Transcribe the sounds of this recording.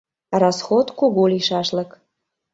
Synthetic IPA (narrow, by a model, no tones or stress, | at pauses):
rɑsxot̪kuɣuliʃɑʃlə̆k